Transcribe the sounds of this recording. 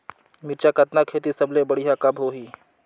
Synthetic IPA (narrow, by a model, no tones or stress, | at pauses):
mɪɾt͡ʃakɐt̪nakʰeːt̪isɐblebəɽiɦakɐbɦoːɦiː